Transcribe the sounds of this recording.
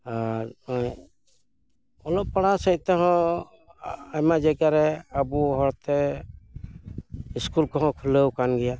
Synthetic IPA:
aɾɔj | ɔlɔppːaɽasəjt̪ɛɦɔ̃ | amad͡ʒaɡaɾɛabuɦɔɽt̪ɛ | iskulkɔɦɔ̃kʰuləwkanɡɛja

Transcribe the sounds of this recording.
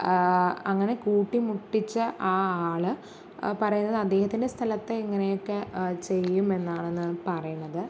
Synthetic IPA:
ɐŋːɐne̞kuːʈːimuʈːit͡ɕːɨʔaːaːɭɨ | pɐrɐjunːɐðɨɐd̪ːe̞ːhɐt̪ːinde̞st̪ʰɐlɐt̪ːeiŋːɐnejo̞kːe̞t͡ɕe̞jːume̞nːaːɳenːɨpɐrɐjuɳːɐðɨ

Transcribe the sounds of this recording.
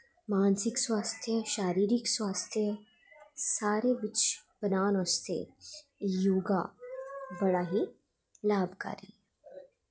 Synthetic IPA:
maːnsɪkswaːst̪ʰjəʃaːɾiːɾɪkswaːst̪ʰjə | saːɾebɪt͡ʃb̥ɐnaːnɔst̪ʰḛ | juːɡa | bɐɽaːɦi | laːbʱka̰ːɾḭː

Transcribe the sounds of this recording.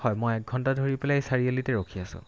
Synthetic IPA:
hɔjmojɛk̚ɡʱɔntadʱoɹiplasaɹielitɛɹokʰiasʊ̰̃

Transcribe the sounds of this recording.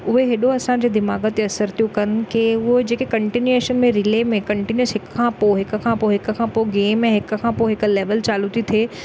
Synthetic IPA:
ʊɦeɦɪɗoɐsãɲd͡ʑeːd̪ɪmaːɡət̪eɐsəɾt̪ʰijũkɐnɪ̆keːʊɦod͡ʑeːkekɐ̃ɳʈinjeːʃənmẽɾɪleːmẽkɐ̃ɳʈinjəsɦɪkkʰãːpoɦɪkʊ̆kʰãːpoɦɪkʊ̆kʰãpoɡeːmeɛ̃ːɦɪkʊ̆kʰãːpoɦɪkʊ̆leːʋəlt͡ɕaːlut̪it̪ʰeː

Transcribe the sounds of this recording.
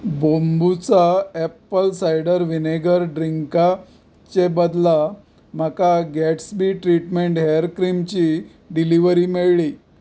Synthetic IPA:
bombut͡saepəlsajɖəɾʋineɡəɾɖɾiŋka | t͡ɕebəd̪la | m̤akaɡɛʈsbiʈɾiʈmeɳʈɦeəɾkɾimt͡ɕi | ɖiliʋəɾiːmeɭɭi

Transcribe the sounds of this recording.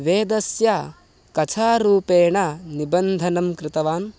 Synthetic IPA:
ʋeːd̪ɐsja | kɐt͡ʃʰaːɾuːpeːɳɐnibɐnd̪ʱɐnɐmkɾɪt̪ɐʋaːn

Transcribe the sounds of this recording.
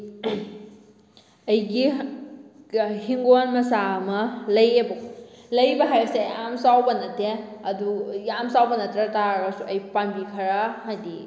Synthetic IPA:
ɐjɡi | hiŋɡonmɐsamɐlɐjebɐlɐjbɐɦajɐsejamsawbɐnɐteɐdujamsawbɐnɐtɾɐtaɡɐsuʔɐjpanbikʰɐɾɐɦajdi

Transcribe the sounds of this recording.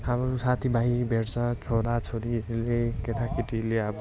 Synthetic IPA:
abʌsat̪ʰibʱajbʱeɽt͡sʰʌt͡sʰoɾat͡sʰoɾilekeʈ̪ʰakiʈileab

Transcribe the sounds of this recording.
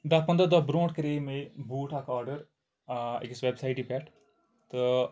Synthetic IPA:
d̪aːpɐnd̪əd̪abɾõːʈkəɾeːmebuːʈakaːɾɖəɾ | ḛkisʋebsaːiʈiːpɛʈ | t̪ɨ

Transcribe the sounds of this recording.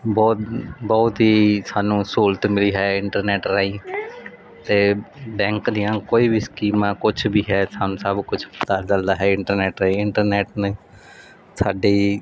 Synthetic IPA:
bɔːt̪bɔːt̪ɦiːsaːnũːsoːlt̪mɪliːɦɛːɪɳʈəɾnɛːʈɾaːĩː | t̪eːbɛ̃ːŋkd̪ijãːkoːiːbiːskiːmãːkʊt͡ʃʰbʱiːɦɛːsaːnũːsəbkʊt͡ʃʰt̪ad͡ʒəld̪aːɦɛːɪɳʈəɾnɛːʈɾaĩːɪɳʈəɾnɛːʈne | saːɖeː

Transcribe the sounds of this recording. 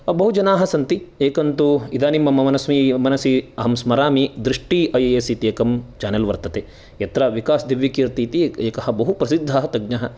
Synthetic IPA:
bɐɦud͡ʒɐnaːɦɐsɐnt̪ieːkɐnt̪uid̪aːnimːɐmɐmɐnɐsmimɐnɐsiɐɦɐmsmɐɾaːmid̪ɾiʂʈiʔɐjeesit̪ieːkɐmt͡ʃaːnɐlʋɐɾt̪ɐt̪eː | jɐt̪ɾɐʋikaːsd̪iʋjɐkiːɾt̪iːt̪ieːkɐɦɐ̆bɐɦupɾɐsid̪ʱːɐɦɐt̪ɐɡɲɐɦɐ

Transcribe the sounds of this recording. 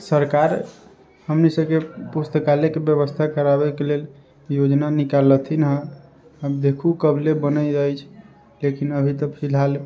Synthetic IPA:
səɾkaɾ | həmnisəbkepust̪əkalekebjəβəst̪ʰakəɾaβekelel | jod͡ʒnanikalət̪ʰinɦə̃ | ad̪ekʰukəblebənəd͡ʒəjt͡ʃʰ | lekinəbʱit̪əpʰil̤al

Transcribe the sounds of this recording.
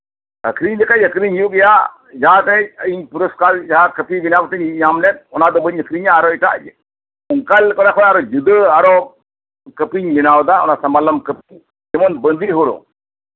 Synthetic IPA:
ə̰kʰɾiɲd̪ɛkaəkɾiɲjuɡɛja | d͡ʒaɦat̪ɛiɲpuɾɔskaɾd͡ʒaɦakəpibinabt̪ɛɲɲamnɛt̪̚ɔnad̪ɔbəɲəkʰɾiɲaːɾɔiʈa̰ʔ | ɔŋkalkɔɽakʰɔnaɾɔd͡ʒud̪əaɾɔ | kəpiɲbinawd̪aɔ̰nasɐmalamkəpiɲ | d͡ʒɛmɔnbənd̪ʱiɦoɾɔ̰

